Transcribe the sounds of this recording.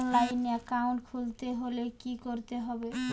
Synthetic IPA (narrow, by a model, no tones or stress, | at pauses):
nlajnːeakawnʈkʰult̪eɦolekikoɾt̪eɦɔbe